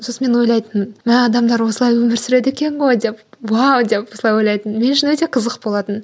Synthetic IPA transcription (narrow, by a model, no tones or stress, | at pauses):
sosəme̞nwojlˠɑjt̪ənmnmæɑd̪ɑmd̪ɑɾwo̞səlˠɑjwɵmɪɾsʏɾe̞d̪e̞kʲe̞nʁo̞jd̪e̞pwawd̪e̞pwo̞səlˠɑjwo̞jlˠɑjt̪ənme̞nʃɪnwɵt̪e̞qʰəzəqbo̞lˠɑt̪ən